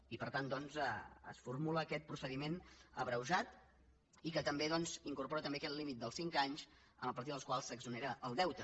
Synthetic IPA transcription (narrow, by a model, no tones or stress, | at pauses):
ipəɾt̪and̪ɔnzəə̰sfuɾmuləːkɛt̪̚pɾusəðimenə̰βɾəwʒat̪ | ikət̪əmbeðɔnziŋkuɾpɔɾət̪əmbeəkɛt̪limit̪̚d̪əlˠsiŋkaɲz | ə̰nəpəɾt̪iðəlˠskwalˠsəɡzuneɾəʔəlˠd̪ɛwt̪ə